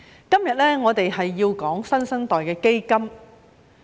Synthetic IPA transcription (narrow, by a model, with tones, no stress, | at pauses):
kɐ˥mjɐ˨t̚lɛː˥ŋɔː˨˧t̪e˨jhɐ˨jːiː˧wkɔː˨˥ŋsɐ˥nsɐ˥nt̪ɔː˨˩jkɛː˧ke˥jkɐ˥m